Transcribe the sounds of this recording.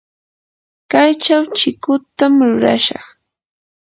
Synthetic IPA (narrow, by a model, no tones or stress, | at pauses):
kajt͡ʃawt͡ʃɪkʊt̪amɾʊɾa̰ʃɑ̰χ